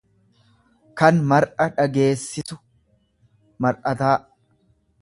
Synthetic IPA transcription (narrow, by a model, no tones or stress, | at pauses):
kɐnmɐɾʔɐᶑɐɡe̞ːsːɪsʊ | mɐɾʔɐt̪aː